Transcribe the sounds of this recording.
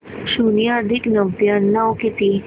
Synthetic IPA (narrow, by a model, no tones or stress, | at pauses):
ɕunijad̪ʱiknəʋt̪janːawkit̪i